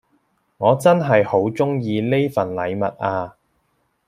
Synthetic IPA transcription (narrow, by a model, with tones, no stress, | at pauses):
ŋɔː˨˧t͡sɐ˥nɦɐ˨jho˨˥wt͡sʊ˥ŋjiː˧le˥jfɐ˨˩nlɐ˨˧jmɐ̰˨t̚ʔaː˧